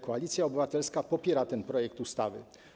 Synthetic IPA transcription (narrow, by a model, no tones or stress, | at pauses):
kɔalʲit̪sʲjaɔbɘvat̪ɛlskapɔpʲjɛɾat̪ɛnpɾɔjɛkt̪ust̪avɘ